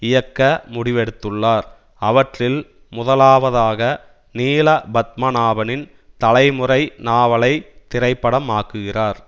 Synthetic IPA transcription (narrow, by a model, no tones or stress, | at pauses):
ɪjɐkːɐmʊɽɪʋɛɽɯt̪ːɯɭːaːɾ | ɐʋɐʈrɪl | mʊðɐlaːʋɐðaːɣɐ | niːlɐbɐt̪̚mɐnaːʋɐnɪn | t̪ɐlɐɪmʊrɐɪnaːʋɐlɐɪt̪ɪrɐɪpːɐɽɐmaːkɯɣɪraːɾ